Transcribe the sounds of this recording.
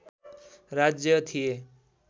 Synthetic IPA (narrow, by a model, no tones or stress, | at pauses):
ɾad͡zjʌt̪ʰije